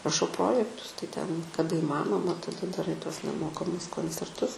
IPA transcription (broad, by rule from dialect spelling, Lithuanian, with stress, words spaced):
rɐˈʃɐʊ ˈproːjɛktʊs tɐɪ ˈtʲɛn kɐˈdɐ iːˈmɑːnoːmɐ tɐdɐˈrɐɪ tuɔs nʲɛˈmoːkɐmʊs koːnʲt͡sʲɛrˈtʊs